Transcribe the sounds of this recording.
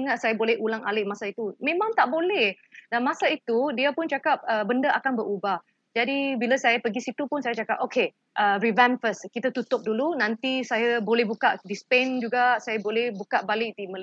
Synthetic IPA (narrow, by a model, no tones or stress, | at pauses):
əŋaʔsajabolɛhulaŋalɪʔmasait̪umẽmãŋt̪aʔbolɛh | danmasait̪udiapʊnt͡ʃakap̚əbəndəʔakanbəɾubah | d͡ʒadibilasajapəɡisit̪upʊnsajat͡ʃakap̚oke | ʔərivɛnfəskit̪at̪ut̪ʊp̚dulunãnt̪isajabolɛhbukaʔdispend͡ʒuɡaʔsajabolɛhbukaʔbalɪʔ̚diməl